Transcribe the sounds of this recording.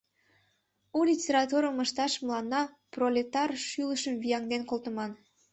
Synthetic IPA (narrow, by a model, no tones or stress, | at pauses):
ulʲitʲeɾɑt̪uɾəməʃt̪ɑʃməlˠɑnːɑ | prolʲet̪ɑrʃyləʃəmvijɑŋd̪enkolˠt̪ə̆mɑn